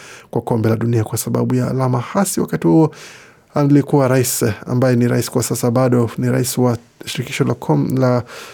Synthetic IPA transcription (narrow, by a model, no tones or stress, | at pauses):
kwakɔmbɛlaɗuniakwasaɓa̰ɓuja̰ːlamahasiwakatihuɔ | alikuwaɾaisa̰mbajɛniɾa̰isi̥kwasasaɓaɗɔniɾa̰isiwa | ʃiɾiki̥ʃɔlakʰɔla